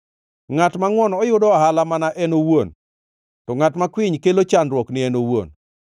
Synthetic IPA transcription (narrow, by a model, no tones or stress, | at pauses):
ŋatmaŋwɔnɔjʊdɔahalamanaʔɛnowon | tɔŋatmakwɪɲkelot͡ʃanɾwɔknɪɛnowo̰n